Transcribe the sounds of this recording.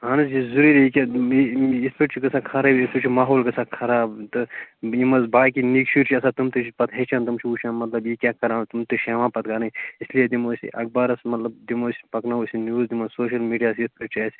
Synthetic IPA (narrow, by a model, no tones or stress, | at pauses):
ɦaːnɐzizuɾiːɾikʲa | ispeʈt͡ʃʰikɐsaːkʰɐɾɐbispiʈt͡ʃʰimaːɦoːlkɐsaːkʰɐɾaːbt̪ɨimɐzbaːkinikʃiːɾt͡ʃʰiɐsaːt̪umt̪ɨt͡ʃipɐt̪ɦeːt͡ʃʰant̪umt͡ʃʰiuːt͡ʃʰãnmɐt̪lɐbjikʲaːkɐɾãːnt̪umt̪ɨʃeːʋãːpɐt̪ɡanɐ̃islijed̪imoːsʲḭʔɐk̚baːɾɐsmɐt̪lɐb̚d̪imoːsi̥pɐknausʲinjuːzd̪imɐsoːʃɐlmiːɖijaːsispeʈ̚t͡ʃʰɐːsʲ